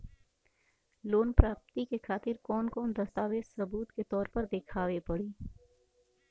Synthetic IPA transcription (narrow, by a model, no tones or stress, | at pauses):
loːnpɾaːp̚t̪ikekʰaːt̪ɪɾkɔːnkɔːnd̪ɐst̪aːʋeːdsɐbuːt̪ket̪ɔːɾpɐɾd̪ekʰaːʋepɐɽiː